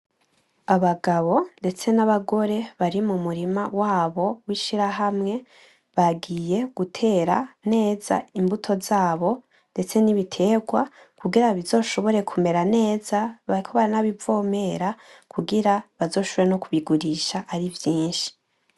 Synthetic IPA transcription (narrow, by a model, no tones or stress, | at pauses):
aβaɡaβo̞nde̞t͡se̞naβaɡo̞ɾe̞βaɾimumuɾimawaːβo̞wiʃiɾaɦamŋe̞ | βaɡije̞ɡ̥utʰe̞ːɾane̞ːza̰imbutʰo̞zaːβo̞ | nde̞t͡se̞niβitʰe̞ːɡwa | kuɡiɾaβizo̞ːʃo̞βo̞ɾe̞kʰume̞ɾane̞ːzaβaikʰoβaɾanaβivo̞ːme̞ɾakʰuɡiɾaβazo̞ːʃoβoɾeno̞kuβiɡuɾiʃaʔːɾivjiːnʃi̥